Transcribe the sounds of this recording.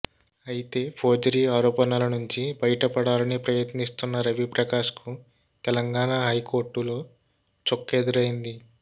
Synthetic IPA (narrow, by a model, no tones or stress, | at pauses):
ɐjit̪e̞ːpʰoːd͡ʒɐɾiːaːɾɔːpɐnɐlɐnuɲt͡ʃibɐjɐʈɐpɐɽaːlɐnipɾɐjɐt̪nist̪unːɐɾɐʋipɾɐkaːʂku | t̪ɛlɐŋɡaːnaɦɐjko̞ːɾʈːulo̞ː | t͡ʃokːed̪uɾɐjind̪i